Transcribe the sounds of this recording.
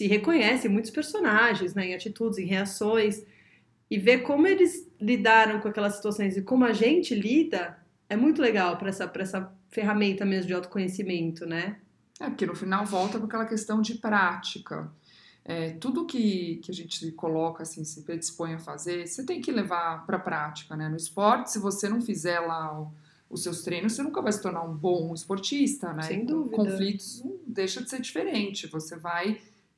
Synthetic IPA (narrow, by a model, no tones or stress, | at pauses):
sɪɦekõɲɛsɪ̃mũj̃t̪ʊspeɾsonaʒẽj̃znɛẽat͡ʃit̪ud͡ʒɪzẽj̃ɦeasõj̃s | ɪvekõmʊelɪzlid̪aɾɐ̃w̃kõakɛlɐsːi̥t̪uasõj̃zɪkõmʊɐʒẽnt͡ʃɪlid̪ɐ | ɛmũj̃t̪̬ʊleɡawpɾɐɛsɐpɾɐɛsɐ | feɦamẽnt̪ɐmezmʊd͡ʒɪawt̪ʊ̥kõɲesimẽnt̪ʊnɛ | ɛpʊɾkenʊfinawvɔwt̪ɐpɾakɛlɐkest̪ɐ̃w̃d͡ʒɪpɾat͡ʃikɐ̰ | ɛt̪ud̪ʊːkɪkɪaʒẽnt͡ʃɪkolɔkɐasĩsɪpɾed͡ʒɪspõj̃ɐfazeɾset̪ẽj̃kɪlevaɾpɾɐpɾat͡ʃi̥kɐnɛnʊɪspɔɾt͡ʃɪ̥sɪvosenɐ̃w̃fizɛɾla | ʊsewst̪ɾẽjnʊsenũkɐvajsɪ̥t̪oɾnaɾũbõɪspoɾt͡ʃist̪ɐnɛsj̃kd̪uvikõflit̪ʊ̥zd̪ejʃɐd͡ʒɪ̥seɾd͡ʒifeɾẽnt͡ʃɪvosevaj